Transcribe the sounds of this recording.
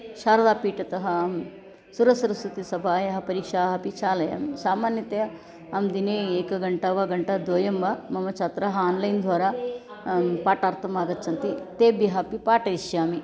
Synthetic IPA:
ʃaːɾɐd̪aːpiːʈɐt̪ɐɦɐ̆m | suɾɐsɐɾɐsut̪isɐbʱaːjɐɦɐpɐɾiːkʃaːɦɐpit͡ʃaːlɐja̰ːmisaːmaːnjɐt̪e | ɐmd̪ineːeːkɐɡɐɳʈaːʋɐɡɐɳʈɐd̪oːjɐmbɐmɐmɐt͡ʃʰaːt̪ɾɐɦɐaːnlɐjnd̪ʱʋaːɾaː | paːʈaːɾt̪ʰɐmaːɡɐt̪ːt͡ʃʰɐnt̪it̪eːbiɦɐpipaːʈɐiʃjaːmi

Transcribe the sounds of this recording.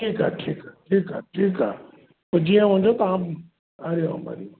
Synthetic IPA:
ʈʰiːkaːʈʰiːkaʈʰiːka̰ːʈʰiːkaː | pɐɾd͡ʑiːãʋ̤ɐ̃ɲd͡ʑot̪ɐãː | aɾeoɐ̰ma̰ːɾi

